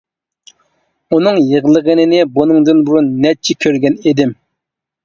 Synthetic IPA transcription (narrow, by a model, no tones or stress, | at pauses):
unɨŋjəʁlˠəʁənɨnɪbunɨŋd̪ɨnbuɾunːɛt͡ʃʰɪkʲʰøɾɡʲɛned̪ɪm